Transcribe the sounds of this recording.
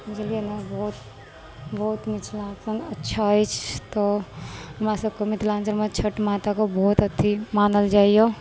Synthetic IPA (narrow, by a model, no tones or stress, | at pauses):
t͡ʃɐlienabɔːt̪ | bɔːt̪mɪt͡ʃʰlãːnsənɐtːʃʰait͡ʃʰt̪oɦɐmasəb̚komɪt̪lãːnsənmət͡ʃʰəʈmaːt̪akobɔːt̪ɐt̪ʰːimaːnəld͡ʒaːijo